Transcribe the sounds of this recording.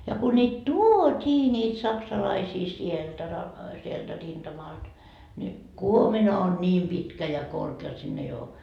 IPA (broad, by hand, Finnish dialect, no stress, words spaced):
jɑ ku nʲiːt tuotʲiː nʲiːt sɑksɑlɑisiː sieltæ rɑ sieltæ rind̥ɑmɑld̥ nʲi kuominɑ on nʲiːm pitkæ jɑ korkeː jot sinː ei oː